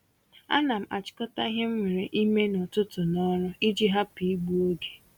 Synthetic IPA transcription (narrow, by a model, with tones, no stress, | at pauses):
a̰˦na˨m̩˨a̰˨t͡ʃɪ̥˨kɔ˦ta˦i˦ɦe˦m̩˦me˨ɾe˨ʔi˦me˦nʊ˨tʊ˦tʊ˨nɔ˦ɾʊ˦i˦d͡ʒi˦ɦa˦pi˨i˦ɡ͡bu˦o˦ɡe̥˨